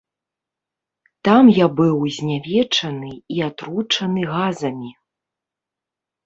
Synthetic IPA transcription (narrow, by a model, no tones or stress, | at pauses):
t̪amjabɨwzʲnʲavʲɛt͡ʂɐnɨiat̪ɾut͡ʂɐnɨɣazɐmʲi